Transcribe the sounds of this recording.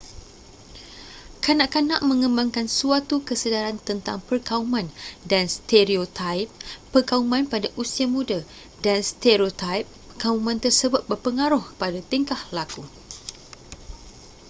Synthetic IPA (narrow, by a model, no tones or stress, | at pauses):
kanãʔkanãʔmə̃ŋə̃mbaŋkansuat̪ukəsədaɾant̪ənt̪a̰ŋpərkaumãndanst̪eɾiot̪aip̚ːərkaumãnpadaʔusiamũda | danst̪eɾiot̪ajp̚ | əkaumãnt̪ərsəbʊt̪̚bərpəŋaɾʊhəpadat̪əŋkahlaku